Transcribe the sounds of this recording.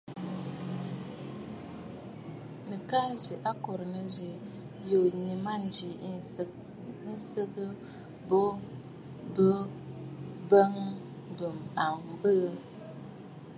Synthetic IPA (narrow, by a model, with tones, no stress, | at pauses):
nə˨ka˦zə˨ʔa˦ko˨ɾnə˨zi˨ | jo˨ɲi˨ma˦n˨˦d͡ʒi˨˦ | n̩˦sə˦ɡə˦ | bo˦ | bə˦ | bə˦ŋ | bə˨ma˨ŋ˨bə˦